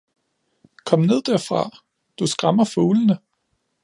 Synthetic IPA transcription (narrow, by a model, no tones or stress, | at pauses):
kʰɒ̽m̰ne̝ð̞̰ˠd̥æɐ̰fʁɑ̈ | d̥usɡ̥ʁɑmɐfoːlənə